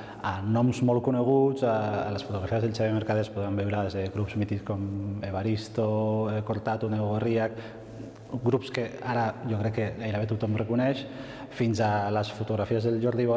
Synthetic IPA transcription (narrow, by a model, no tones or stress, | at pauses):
anɔmzmɔlkuneɣ̞uzaːlesfut̪uɣɾafiazðelst͡ʃeβemeɾkaðespuðɾambɛwɾaezðeɣɾupzmit̪ikomeβaɾist̪okoɾt̪at̪uneoɣoriak | ɡɾupskeaɾaʒokɾɛkːeajɾaβet̪ut̪ɔmrekunɛʃ | finzalasfut̪uɣɾafiazðelʒɔɾðiβo